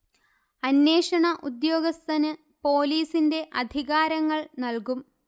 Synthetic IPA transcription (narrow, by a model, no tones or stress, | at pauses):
ɐnːe̞ːʂɐɳɐʔud̪jo̞ːɡɐst̪ʰɐnɨ | po̞ːliːsinde̞ʔɐd̪ʱiɣaːɾɐŋːɐɭnɐlkum